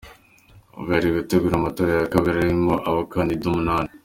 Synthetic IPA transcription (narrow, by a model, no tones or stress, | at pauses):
o̰ɡaɾiɡateɡuːɾamatoːɾajakaɡaɾajimoʔaβakaːndidumunaːne